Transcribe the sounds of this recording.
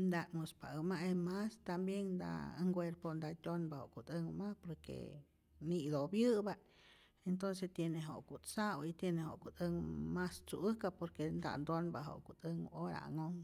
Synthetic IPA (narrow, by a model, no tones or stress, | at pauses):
nd̪aŋospaɨmaʔemast̪ambjeŋnd̪a̰ŋɡweɾpond̪at̪ʲonbahoʔkut̪ɨŋmapoɾkḛ | nid̪objɨba | ent̪ons̬est̪jeneɦoʔkut͡sawit̪jenehoʔkut̪ɨŋmast͡suʔɨkapoɾkend̪a̰nd̪onbaɦo̰ʔkut̪ɨŋoɾa̰a̰ŋoŋ